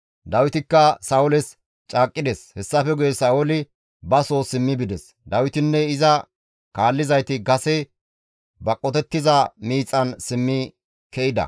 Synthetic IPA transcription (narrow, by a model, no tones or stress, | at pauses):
d̪ɐwɪt̪ɪkːɐsɐːʊlɛs | t͡ʃʼaːkʼːɪd̪eshɛsːɐfɛɡʊjɛsaːʊlɪ | bɐso̞ːsɪmːɪbɪd̪ɛs | d̪ɐwɪt̪ɪnːɛɪzɐ | kaːlːɪzɐjt̪ɪɡɐsɛ | bɐkʼːɔt̪ɛt̪ːɪzɐmiːt͡sʼːɐnsɪmːɪ | kɛʔɪd̪ɐ̰